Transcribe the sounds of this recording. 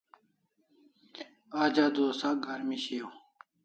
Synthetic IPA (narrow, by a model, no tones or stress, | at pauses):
aːd͡ʑaːd̪oːsaɡʱaɾmiɕejoː